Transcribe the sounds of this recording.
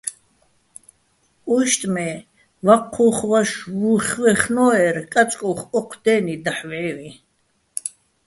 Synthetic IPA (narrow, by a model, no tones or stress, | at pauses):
ujʃt̪ʼmɛ | vaqʰːuχwaʃwuχwɛχnɔːɛrkʼat͡ʃʼkʼuχɔqʰd̪̥ɛːnid̪aħvʕɛvi